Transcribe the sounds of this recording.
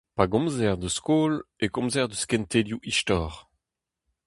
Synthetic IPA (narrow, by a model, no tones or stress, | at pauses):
paɡɔ̃mzɛʁd̪əskoːlekɔ̃mzɛʁd̪əskɛ̃nt̪eljuʔiʃtɔːʁ